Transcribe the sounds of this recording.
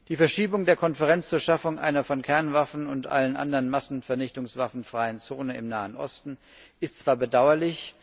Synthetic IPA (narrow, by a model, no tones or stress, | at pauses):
d̥iːfɛɐʃiːbʊŋdeːɐkʰɔnfɛʁɛnt͡st͡suːɐʃafʊŋʔa̰ɪnɐfɔnkʰɛɐnvafn̩ʊntʔa̰lənʔa̰ndɐʁənmasn̩fɛɐnɪçtʊŋsv̥afn̩fʁ̥aɪənt͡soːnəɪ̰mnaːənʔɔ̰stn̩ | ʔɪstt͡sv̥aːɐbədaʊɐlɪç